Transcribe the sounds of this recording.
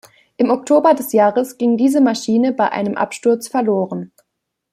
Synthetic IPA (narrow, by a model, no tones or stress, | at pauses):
ʔɪmɔktʰoːbɐdɛsjaːʁəsɡ̥ɪŋdiːzəmaʃiːnəbaɪʔa̰ɪnəmʔa̰pʃtʊɐt͡sfɛɐloːʁən